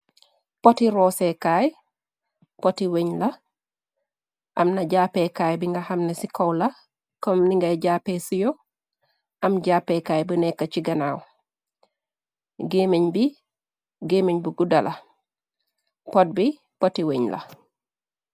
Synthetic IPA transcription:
potiɾɔːsekaj | potiweɲlɐ | ʔamnaɟaːpekaːjbiŋɡahamnesikowlɐ | kɔmniŋɡajɟaːpesijo | ʔamɟaːpːekaːjbənɛkːat͡ʃiɡɐnaːw | ɡemeɲbi | ɡemeɲbuɡudɐlʔɐ | pot̚bi | potiweɲlʔɐ̰

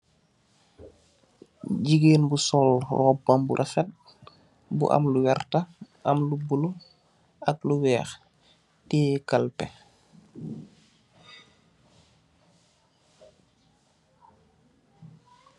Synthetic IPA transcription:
ɟiɡeːnbusɔlrɔbːambṵɾʔafɛt̚ | bṵʔa̰mluwɛrta | ɐmlubulu | ɐk̚luwɛːx | tiːkalpɛ

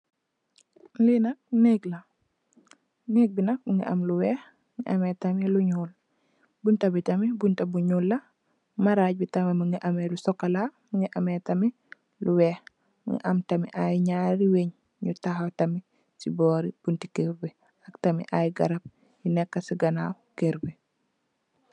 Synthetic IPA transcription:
linɐk̚neɡlɐ | nɛk̚binɐk̚ŋḭʔɐ̰mluwɛːh | ŋiʔɐmɛtɐmiluɲuːl | buntɐbitɐmibuntɐbuɲuːlːɐ | maɾaːc̚bitɐmimɐŋiʔɐmɛlusɔkːɐlamuŋiʔɐmɛtɐmi | luwɛːx | ŋḭʔɐmtɐmḭʔajiɲaɾiweɲ | ɲutaxatɐmi | sibɔːɾib̥untikeɾbi | ɐktɐmḭʔajiɡɐ̰ɾɐb̚ | jinɛkːɐsiɡɐnawkeɾbi

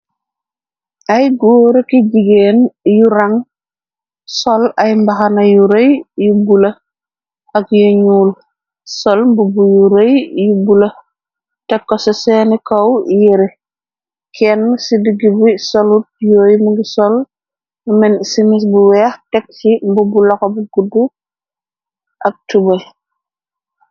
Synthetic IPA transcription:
ajɡoːɾekiɟiɡeːnjuɾaŋ | sɔlɐjmbaxanɐjuɾejjubulɐ | ɐkjoɲuːl | sɔlmbubujuɾɐjjubulɐ | tɛkːɔsɔsɛːnikɐwjiɾɛ | kʰɛnːsidiɡibisɔlut̚joːjmuɡisɔl | umɛnsimis̬buwɛxtɛk̚simbubulɔkɔbuɡudːu | ʔɐk̚tubɐ

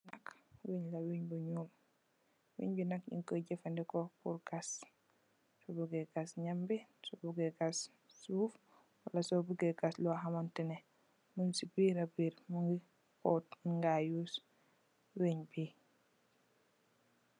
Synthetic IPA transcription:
nakweɲlaweɲbuɲuːm | wḛɲbinakʔḭŋkɔɟɛfandɛkɔkuɾɡas | sɔbuɡɛɡasɲambisɔbuɡɛɡas | suːf | walasɔbuɡɛɡaslɔɦamantɛnɛ | munsibiɾabiɾmuŋɡi | kɔtiɡajuːs | weɲbi

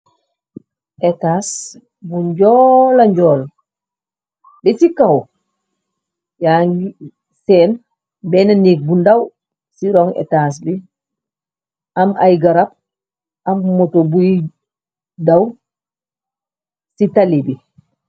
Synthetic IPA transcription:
ʔɛtaːs | buɲɟɔlaɲɟɔːl | bɛsikaw | jaŋɡi | sɛːn | bɛnaniːk̚bundaw | siɾɔŋɛ̰taːs̬bi | amajɡaɾap̚ | ammotobuji | daw | sitalibi

